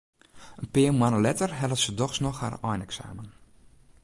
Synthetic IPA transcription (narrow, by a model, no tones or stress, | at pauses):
ənpɪːəmwanəlɛtərɦɛlˠəfsədɔxsnɔxha̰rɔjnɛksa̰ːmən